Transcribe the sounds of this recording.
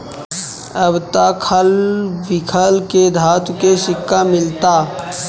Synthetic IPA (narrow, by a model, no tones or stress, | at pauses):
əbt̪akʰəlʋɪkʰəlked̪ʱaːt̪keʃɪkːamɪlt̪aː